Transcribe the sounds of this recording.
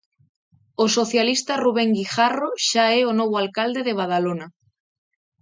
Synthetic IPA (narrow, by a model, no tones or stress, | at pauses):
osoθjalist̪aruβ̞eŋɡixaroʃaeonoβ̞oalkald̪eðeβ̞aðalona